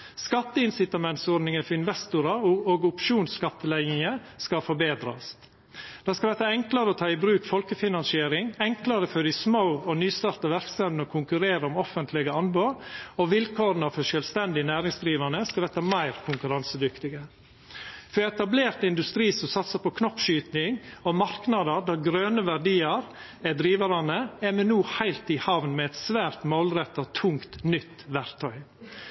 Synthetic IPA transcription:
skɑt̪ːəɪnsɪt̪ɑmɛnt̪sɔɾd̪nɪŋəfɔɾɪnʋɛst̪ʊɾɑoːɡʊpʃuːnskɑt̪ːəlæɪnɪŋə | skɑfɔbeːd̪ɾɑ̰s | d̪̥ɑskɑʋ̪ɛt̪ːɑɛŋklɑɾəɔt̪ʰɑːɪbɾʉːkfɔlkəfɪnɑnsɪeːɾɪŋɛŋklɑɾəfɔɾɪsməʊɔnyːst̪ɑːɾt̪ɑʋæɾksɑʋnɔkʰʊŋkʉɾeːɾəɔmɔfənt̪ʰlɪɡəɑnboːɾɔʋɪlkʰoːɾənɑfœʂœːlʋst̪ɛnd̪ɪnæːɾɪŋsd̪ɾiːʋɑnəskɑɛt̪ːɑmæɪɾkʰʊŋkʉɾɑnsəd̪ʏkt̪ɪɡə | fœɾɛt̪ɑbleːɾt̪ɪnd̪ʉst̪ɾiːsɔmsɑt̪səpɔkʰnɔpːʃyːt̪nɪŋɔmɑɾknɑd̪əɾd̪ɑɾɡɾøːnəʋæɾɖiːəɾ | ɛd̪ɾiːʋɑɾɑnəɛmɛnuːhæɪlt̪ɪhɑʋnmɛɛt̪sʋæːɾt̪moːlɾɛt̪ːɔt̪ʰʊŋkt̪nʏt̪ːʋæɾkt̪ʰœʏ

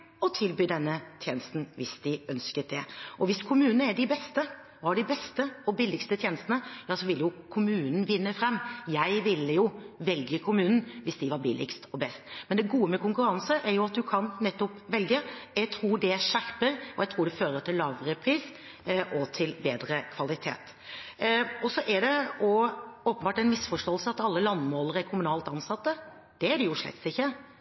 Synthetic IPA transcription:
ɔt̪ʰɪlbyːd̪ɛnːət̪ʰjeːnəst̪n̩ʋɪsd̪ɪœnskət̪̚d̪ɛʔɔʋɪskʰʊmʉːnn̩əæɖɪbɛst̪ə | ʋɑɖɪbɛst̪əɔbɪlːɪkst̪ət̪ʰjeːnəst̪ənəjɑːsɔʋɪlːəjʊkʰʊmʉːnn̩ʋɪnːəfɾɛmːjæɪʋɪlːəjʊʋɛlɡəkʰʊmʉːnn̩ʋɪsd̪ɪʋɑɾbɪlʔɪ̰kst̪ɔbɛst̪mɛnd̪ɛɡuːəmɛkʊŋkʉɾɑnsəʔæɾjʊɑt̪̚d̪ʉkʰɑnnɛt̪ːɔpʋɛlɡəjæɪt̪ʰɾuːɖɛʂæɾpəɾɔjæɪt̪ʰɾuːɖɛføːɾət̪ʰɪllːɑːʋɾəpʰɾiːs | ʔɔt̪ʰɪlbeːd̪ɾəkʰʋɑlɪt̪ʰḛːt̪ | ɔsɔʔæɖɛɔoːpənbɑːʈæɪnmɪsfɔʂʈoːəlsəɑt̪ɑlːəlɑnːmoːləɾæɾkʰʊmʉnɑːlt̪ɑnsɑt̪ːə | d̪̥ɛæɖɛjʊʂɭɛ̰t̪sɪçːə

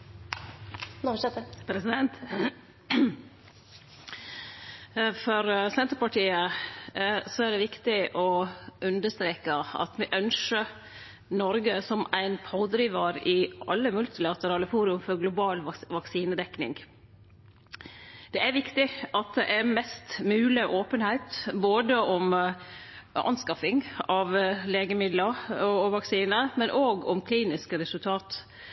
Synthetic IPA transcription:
ɛt̪əpʰɾɛsɪd̪ɛnt̪ | fɔɾsɛnt̪ɾəpɑʈiːə | sɔæɖɛʋɪkt̪ɪʔɔʔʉnd̪əʂt̪ɾeːkəɑ̰t̪mɛʔœnʂə | nɔɾɡəsɔmæɪnpʰoːd̪ɾiːʋɑɾɪʔɑ̰lːəmʉlt̪ɪlɑt̪əɾɑːləfuːɾʉmfɔɾɡlʊbɑːlʋɑksiːnəd̪ɛknɪ̰ŋ | d̪̥ɛʔæɾʋɪkt̪ɪʔɑt̪̚d̪ɛʔæɾmɛst̪mʉːlɪʔoːpənhæɪt̪boːd̪əʔɔm | ɑ̰nskɑfɪŋɑʋleːɡəmɪd̪ləɾɔʋɑksiːnəmɛnʔoːɡɔmkʰliːnɪskəɾɛsʉlt̪ʰɑːt̪

